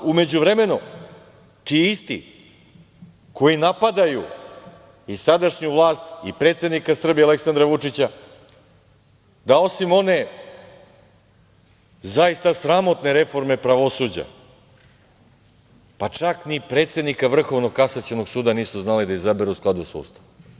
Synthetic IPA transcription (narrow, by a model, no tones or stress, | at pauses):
ume̞d͡ʑuʋɾe̞me̞nu | t̪iist̪ḭ | ko̞jinapad̪aju | isad̪aʃɲuvlˠaːst̪ipɾe̞ːt̪se̞d̪nikasr̩bijeale̞ksand̪ɾaʋut͡ʂit͡ɕa | d̪ao̞simo̞ne̞ | zaist̪asɾamo̞t̪ne̞ɾe̞fo̞ɾme̞pɾaʋo̞sud͡ʑa̰ | pat͡ʃaknipɾe̞ːt̪se̞d̪nikavr̩xo̞ʋno̞kasat͡ɕeno̞ɡsuːd̪aniːsuznalid̪aizabeɾuusklad̪usaṵːst̪a